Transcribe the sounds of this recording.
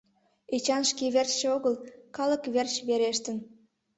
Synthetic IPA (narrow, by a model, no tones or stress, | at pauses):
et͡ɕɑnʃkeβert͡ɕeoɣəlkɑlə̆kβert͡ɕβeɾeʃt̪ən